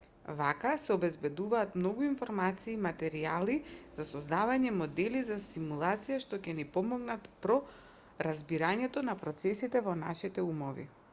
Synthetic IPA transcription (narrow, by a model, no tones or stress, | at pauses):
vakasɛɔbɛzbɛd̪uvaːt̪mnɔɡuinfɔɾmat̪siːmat̪ɛɾializasɔzd̪avaɲɛmɔd̪ɛlizasimulˠat̪sijaʃt̪ɔcɛnipɔmɔɡnat̪pɾɔ | ɾazbiɾaɲɛt̪ɔnapɾɔt̪sɛsit̪ɛvɔnaʃit̪ɛumɔvḭ